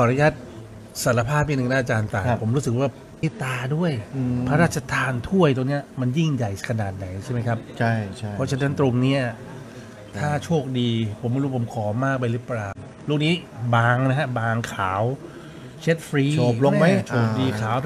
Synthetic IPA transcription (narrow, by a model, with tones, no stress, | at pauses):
pʰɔ˨˩ɾa˦˧ja˦˥˩t̪̚ | sa˩˦la˧pʰaː˥˩p̚ʔi˧˥nɯ˨˩˨na˥ʔa˧t͡ɕaː˧nt̪aː˧pʰo˩˦mɾuː˦˥sɯ˨˩k̚waː˥˩pi˦˧˩t̪aː˧du˥˩əjpʰa˦˥ɾaː˥˩t̪̚t͡ɕʰa˧t̪ʰaː˧nt̪ʰu˥˩əjt̪̬o˧ŋni˦˥ɐma˧nji˥˩ŋja˨˩jkʰa˧naː˨˩t̪̚na˨˩˦jt͡ɕʰa˥˩jma˦jkʰa˦˥p̚ʰa˥˩˥ɔ˦˥t͡ɕʰa˧na˧˦˥nt̪ɾo˧ŋni˦˥ɐ | t̪ʰaː˥˩t͡ɕʰoː˥˩k̚diː˧pʰo˩˦ma˧ɾpʰo˩˦mkʰɔː˩˦maː˥˩k̚pa˧jɾɯ˦˥˩plaː˧w | luː˥˩k̚niː˦˥baː˧ŋna˦˥kʰa˦˥baː˧ŋkʰaː˩˦w | t͡ɕʰe˦˥t̪̚fʰɾiː˧oː˨˩p̚lo˧ŋma˦˥jt͡ɕʰoː˨˩k̚diː˧kʰaː˨˦wʰ